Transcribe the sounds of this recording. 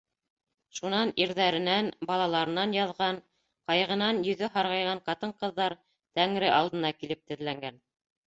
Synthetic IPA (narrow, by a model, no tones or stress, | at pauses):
ʃunɑniɾðæɾɘ̆nænbɑlˠɑlˠɑɾɤ̆nɑnjɑðʁɑn | qɑjʁɤ̆nɑnjɵ̆ðɵɦɑɾʁɑjʁɑɴqɑt̪ɤɴqɤ̆ðːɑɾ | t̪æŋɾɘʔɑlˠd̪ɤ̆nɑkilɘp̚t̪ɘ̆ðlæŋɡæn